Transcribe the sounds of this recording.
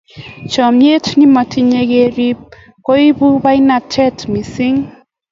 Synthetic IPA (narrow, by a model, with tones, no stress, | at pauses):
t͡ʃɔ˨me˦tni˦mɔ˨tʰi˦ɲe˦ɡe˦ɾi˦p̚ | ko˦i˦bu˦ba˦i˦na˨tʰɛ˦tmi˨sɪ˦ŋ